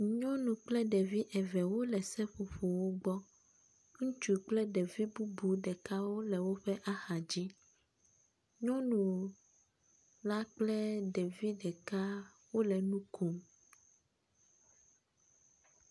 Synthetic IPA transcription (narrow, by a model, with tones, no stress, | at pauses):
ɲɔ̃˦nũ˨k͡plɛ˦ɖɛ˨vi˦ʔɛ˨vɛ˨wo˦lɛ˨sɛ˦ɸo˨ɸo˨wo˦ɡ͡bɔ˦ | ŋũ˦t͡ʃu˨k͡plɛ˦ɖɛ˨vi˦bu˦bu˨ɖɛ˨ka˦wo˦lɛ˨wo˦ɸɛ˦ʔa˦xa˨d͡ʑi˦ | ɲɔ̃˦nũ˨ | la˦k͡plɛ˦ɖɛ˨vi˦ɖɛ˨ka˦ | wo˦lɛ˨nũ˦kʰu˨m